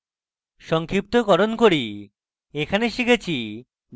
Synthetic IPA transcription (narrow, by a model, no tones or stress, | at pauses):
ʃɔŋkʰɾip̚t̪okɔɾonkoɾi | ekʰaneʃikʰet͡ɕʰi